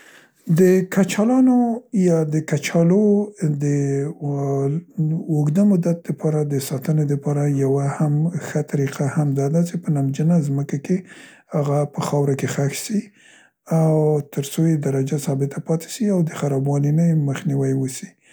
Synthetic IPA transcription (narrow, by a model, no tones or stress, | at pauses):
d̪əkat͡ʃɑlɑnojɑd̪əkat͡ʃɑlod̪ə | oɡd̪əmʊd̪at̪̚d̪əpʰɑɾad̪əsɑt̪əned̪əpɑɾajawahamxat̪aɾiqahamd̪ɑd̪at͡ʃepənamd͡ʒənazməkake | haɣapəxɑwɾakexaxsi | awt̪əɾsojed̪aɾad͡ʒasɑbɪt̪ʰapɑt̪e̥ʃiawd̪əxaɾɑbwɑlinajməxniwajwəsi̥